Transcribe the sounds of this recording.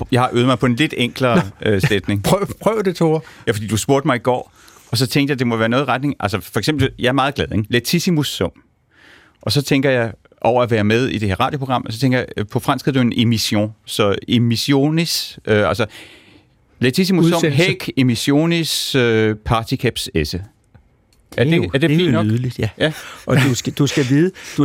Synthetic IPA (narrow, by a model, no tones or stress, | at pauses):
jɑ̈ɪhɑ̈ʔøːð̞̩ˠmɑ̈ɪpʰɒ̽e̝nle̝d̥eŋ̰ɡ̥lɐøsed̥ne̝ŋpʰʁœʊd̥et͡sʰojæfɒd̥ḭːd̥uhɑsb̥o̝ɐd̥mɑ̈ɪiɡ̥ɒ̰ː | ɒ̽s̬ɒ̽t͡sʰeŋɡ̥d̥jad̥e̝mɒʋæːɐnɔ̽ːð̩ˠʁad̥ne̝ŋʔælsəfɒ̽eɡ̥sembl̩jɑ̈æɐmɑ̈ːðˠɡ̥lɛð̞ˠeŋlet͡sʰisimusɔ̽m̰ | ʔɒ̽sɒ̽t͡sʰeŋ̰ɡ̥ɐjɑ̈ɪ | ʔɒʊ̰ɐæʋæːɐmeð̞ˠid̥e̝he̝ɐʁɑ̰̈ːd̥jo̝pʰʁoɡ̥ʁɑ̈m̰sɒ̽t͡sʰeŋɡɐjaɪpʰɒ̽fʁɑnsɡ̥ðɐdue̝nʔe̝miso̝̰sɒ̽emiso̝̰nisøælsə | let͡sʰis̬imusɔ̽mɦeɡ̥e̝miɕo̝̰ːnisøpʰɑ̈ːt͡sʰikʰæb̥sesə̥ | æɐd̥eæɐd̥e̝̥ḭnɒðˠlid̥jæɒusɡd̥usɡ̥æʋið̩ˠd̥u